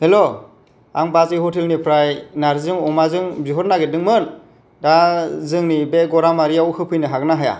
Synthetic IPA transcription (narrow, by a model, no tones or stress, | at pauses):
helo | aŋbat͡ʃihɔtʰelnipʰɾajnaɾzɯŋɔmazɯŋbiɦɔɾnaɡedɯŋmɯn | dazɯŋnibeɡɔɾamaɾijawkɯpʰɯjnɯɦak̚naɦaja̰